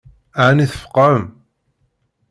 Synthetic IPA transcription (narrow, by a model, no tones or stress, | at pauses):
ʕniθəfə̥qːəm